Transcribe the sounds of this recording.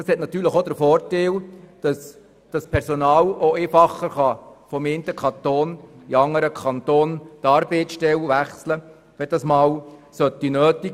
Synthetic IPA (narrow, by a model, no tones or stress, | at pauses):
ɑshɛt̪̚nɑt̪yːɾləχod̪əɾfɔːɾteld̥ɑs | d̥ɑspʰɛɾsɔnɑːloeːfɑχːəɾχɑfɔment̪əkʰχɑnt̪oːniɑŋːəɾəkʰɑnt̪oːnt̪ɑːɾb̥etsʃtɛlʋæχslə | ʋɛd̥ɑsmɑːwsœt̪ːinøːt̪ik